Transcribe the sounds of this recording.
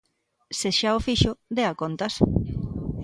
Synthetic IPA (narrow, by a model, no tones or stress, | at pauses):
seʃaofiʃʊd̪eakont̪as